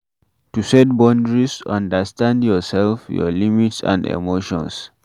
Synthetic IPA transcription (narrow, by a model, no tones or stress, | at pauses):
tusɛt̚bɔ̃ndɹisɔ̃ndəstãndjɔsɛlfjɔ̰limitsã̰ndḛmoʃɔ̰̃ns